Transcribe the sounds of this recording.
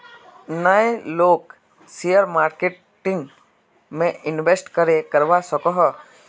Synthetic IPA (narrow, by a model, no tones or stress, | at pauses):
naẽloːk | sijəɾmaːɾkeʈ | ʈɪŋ | mẽɪnʋesʈkəɾekəɾʋasɔkɔɦɔ